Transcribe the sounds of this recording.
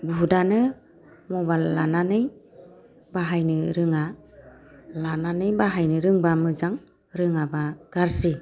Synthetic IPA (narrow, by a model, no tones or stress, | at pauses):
budanɯ | mɔballananɯj | baɦajnɯɾɯŋa | lananɯjbaɦajnɯɾɯŋbamɯzaŋ | ɾɯŋabaɡ̥aɾsi